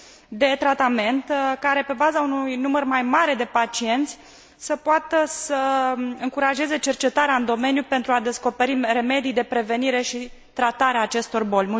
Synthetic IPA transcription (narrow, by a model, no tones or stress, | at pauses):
d̪e̞t̪ɾat̪ame̞nt̪kaɾe̞pe̞bazaunujnumərmajmaɾe̞d̪e̞pat͡ʃie̞nt̪sʲ | səpoat̪əsəɨŋkuɾaʒe̞ze̞t͡ʃe̞rt͡ʃe̞t̪aɾeaɨnd̪o̞me̞njupe̞nt̪ɾuad̪e̞sko̞pe̞ɾire̞me̞d̪ijd̪e̞pɾe̞ve̞niɾe̞ʃi | t̪ɾat̪aɾeaːt͡ʃe̞st̪o̞rbo̞lʲmu